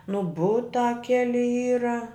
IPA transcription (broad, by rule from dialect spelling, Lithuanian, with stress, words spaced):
nʊ ˈbʊtɑː ˈkʲæːlʲɪ ˈiːrɐ